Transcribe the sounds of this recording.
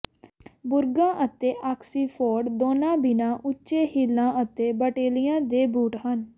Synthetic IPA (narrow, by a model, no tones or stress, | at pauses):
bʊɾɡãːʔət̪eːʔaːksiːpʰɔːɖd̪oːnãːbɪnãːʔʊt͡ʃeːhilːãːʔət̪eːbəʈeːlijãːd̪eːbuːʈɦən